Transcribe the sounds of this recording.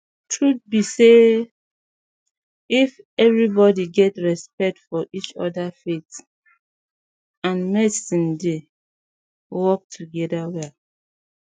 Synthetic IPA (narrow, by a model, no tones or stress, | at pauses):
tʰɹut̚bise | if | ɛvɹibɔdiɡɛtɹɛspɛk̚tfɔʔit͡ʃɔ̰dafet | ãnmɛsĩnde | wɔk̚tʰuɡɛdawɛl